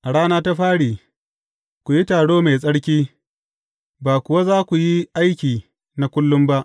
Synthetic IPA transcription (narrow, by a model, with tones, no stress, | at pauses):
ʔa˨ɽaː˦naː˦ta˦ɸaː˦ɽiː˨ | kʷu˨ji˦taː˨ɽoː˦me˨sʼɐ˦ɽkʲiː˦ | baː˨kʷʊ˨wa˦zaː˦kʷu˨ji˦ʔa˦jkʲiː˨ | na˦kʷʊ˦lːʊ˦mba˦ʔ